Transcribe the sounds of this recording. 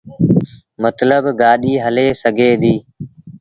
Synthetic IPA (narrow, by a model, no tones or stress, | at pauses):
mət̪ləbɡaːɗiːɦəleːsəɡʱeːd̪iː